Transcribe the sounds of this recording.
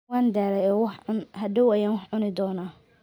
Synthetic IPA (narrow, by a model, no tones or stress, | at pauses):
waːnd̪aːlɛjɔːwɑħʕʊnɦɐd̪ɐwɐjaːnwɑħʕʊnɪd̪ɔːnaː